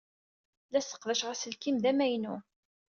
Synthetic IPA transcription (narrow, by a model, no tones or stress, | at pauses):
læsə̥qðæʃʁæsəlkimðæmæjnu